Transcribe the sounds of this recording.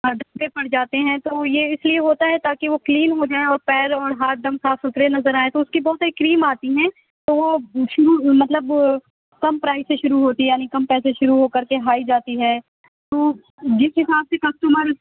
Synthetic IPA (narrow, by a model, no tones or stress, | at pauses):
ɐɖ̪ʱɐmbepɐɽd͡ʒaːt̪eɦɛ̃t̪oːjeɪslieɦoːt̪aɦɛt̪aːkeʋokliːnɦod͡ʒaːeɔːɾpɛːɾɔːɾɦaːt̪̚ɖ̪ɐ̃msaːfʊt̪ɾenɐzəɾaːẽt̪oʊskibɔːt̪saɾikɾiːmaːt̪iɦɛ̃ː | t̪oːʋoʃʊɾumɐt̪ləb | kɐmpɾaːɪzseʃʊɾuɦoːt̪iɦɛjaːnikɐmpɛːseʃʊɾuɦoːkɐɾkeɦaːid͡ʒaːt̪iɦɛː | t̪oː | d͡ʒɪsɦɪsaːbsekɐsʈuməɾ